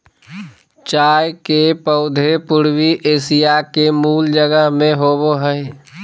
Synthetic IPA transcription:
t͡ʃaːjkepəʊd̪ʱepʊɾwiʔeːsijakemuːld͡ʒəɡəɦmẽɦoːboɦəe

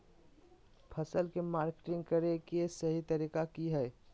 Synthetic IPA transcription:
pʰəsəlkemaːɾke̥ʈɪ̃ŋɡ̚kəɾekesɐɦit̪əɾikakiɦɛː

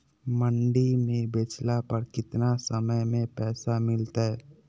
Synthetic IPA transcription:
məɳɖimẽbeːt͡ʃlapəɾkɪt̪nasəməjmẽpɛːsamɪlt̪aɦɛ

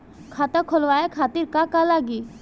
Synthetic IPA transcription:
kʰaːt̪akʰolʋaːekʰaːt̪iɾkakalaɡi

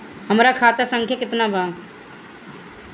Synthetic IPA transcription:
həmɾakʰat̪əsəŋkʰjakɪt̪nabʱa

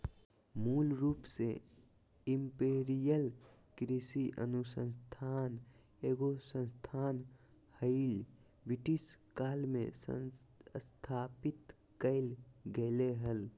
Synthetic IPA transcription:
mulɾuːpse | impeɾijəl | kɾisiʔə̰nusə̃nst̪ʰan | eɡosə̃nst̪ʰan | həɪl | biʈiskalmḛsə̰ | st̪ʰapit̪ | kəɪlɡeleɦəl

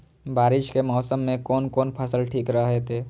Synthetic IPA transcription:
baːɾɪʃkemɔːsəmːẽkɔːnkɔːnpʰɐsəlʈʰiːkɾɐɦet̪ʰeː

